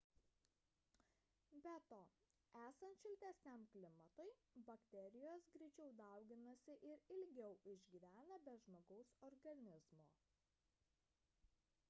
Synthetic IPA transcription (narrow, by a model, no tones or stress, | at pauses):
bʲɛt̪oː | æːsɐnt̪ʃʲɪlʲt̪ʲæsʲnʲɛmklʲɪmɐt̪ɐɪbɐkt̪ʲɛɾʲɪjoːsɡɾʲɛɪt͡ʃʲɛʊd̪ɐˑʊɡʲɪnɐsʲɪʔɪɾɪlʲɡʲɛʊʔɪʒʲɡʲiʋʲæːnɐbʲɛʒmoːɡɐʊsɔɾɡɐnʲɪzmoː